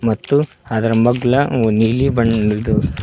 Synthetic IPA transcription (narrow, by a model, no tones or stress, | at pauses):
mɐt̪ːu | ad̪ɐɾɐmɐɡɭɐnilibɐɳd̪u